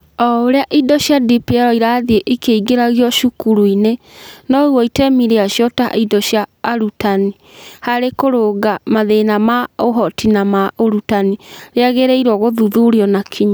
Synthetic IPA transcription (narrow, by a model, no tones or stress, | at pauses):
ɔoɾeaʔidɔɕjadipiɛɾɔiɾaðieʔikeiɡeɾaɣiɔʃukuɾuinenɔɣwɔitemiɾeaɕjɔta̰idɔɕjaːɾutani | haɾekoɾoɡamaðenamaoɦɔtinamaoɾutaniɾeaɣeɾeiɾwɔɣoðuðuɾiɔnakʰiɲa